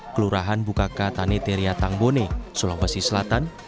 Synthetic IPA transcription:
kəluɾaɦanbukakat̪anet̪eɾiat̪aŋbonesolɔmbasisəlat̪an

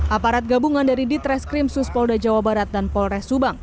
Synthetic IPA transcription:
ʔapaɾat̪̚ɡabuŋandaɾidit̪ɾɛskɾimsuspɔldad͡ʒawabaɾat̪̚danpɔlrɛsubaŋ

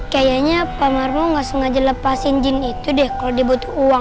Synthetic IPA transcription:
kajaɲapamarmɔŋasuŋad͡ʒələpasind͡ʒɪnit̪udɛhkalodibut̪u̥uwa

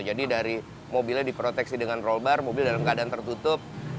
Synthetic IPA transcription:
d͡ʒadidaɾi | mobilɲadipɾot̪ɛksidəŋanrolbarmobɪldalamkadaant̪ərt̪ut̪ʊp̚

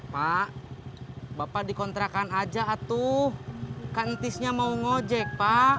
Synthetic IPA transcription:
paʔ | bapadikɔnt̪ɾakanad͡ʒaːt̪uhkant̪isɲamauŋod͡ʒɛk̚pa

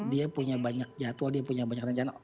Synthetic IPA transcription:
diapuɲabaɲak̚d͡ʒat̪uadiapuɲabaɲakrəɲt͡ʃana

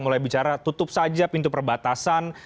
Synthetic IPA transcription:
mulajbit͡ʃaɾat̪ut̪ʊp̚sad͡ʒapint̪upərbat̪asan

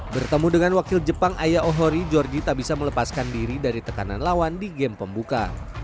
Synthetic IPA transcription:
bərt̪əmudəŋanwakɪld͡ʒəpaŋʔajaʔɔɦɔɾid͡ʒɔrd͡ʒit̪abisamələpaskandiɾidaɾit̪əkana̰nlawandiɡɛmpəmbuka̰

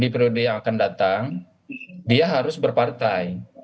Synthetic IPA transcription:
dipɾodejaŋakandat̪aŋ | diaɦaɾʊsbərpart̪aj

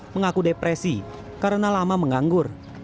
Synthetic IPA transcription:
məŋakudepɾɛsi | kaɾənalamaməŋaŋɡʊr

